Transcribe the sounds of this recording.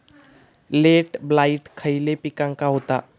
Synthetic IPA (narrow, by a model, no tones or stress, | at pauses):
leʈblaiʈkʰəilepikãŋkaɦot̪a